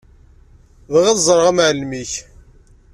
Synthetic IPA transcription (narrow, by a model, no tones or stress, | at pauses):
ðʁæðzˤɾˤəʁamʕəlmiç